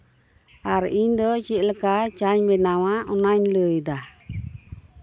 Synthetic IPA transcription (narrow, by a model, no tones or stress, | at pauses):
aɾʔiɲdɔt͡ʃiʔləkat͡ʃaɲbɛnawaʔɔnaɲləjdah